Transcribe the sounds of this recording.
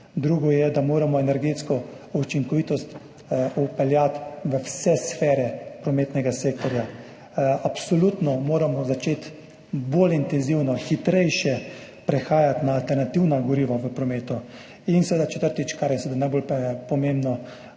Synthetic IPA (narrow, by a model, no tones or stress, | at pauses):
d̪ɾuːɡɔjɛd̪amoːɾamɔɛnɛɾɡeːt̪skɔ | ut͡ʃiŋkɔʋiːt̪ɔst̪ | upɛljat̪ʋəwsɛsfɛːɾɛpɾɔmeːt̪nɛɡaseːk̚t̪ɔɾja | apsɔlut̪nɔmoːɾamɔzat͡ʃeːt̪ | bolint̪ɛnziwnɔxit̪ɾɛjʃjɛ | pɾɛxaːjat̪naːlt̪ɛɾnat̪iwnaɡɔɾiːʋaʋəpɾɔmeːt̪u | insɛʋeːd̪at͡ʃɛ̥t̪əɾt̪it͡ʃkaɾjɛsɛʋed̪anajbolppɔmembnɔ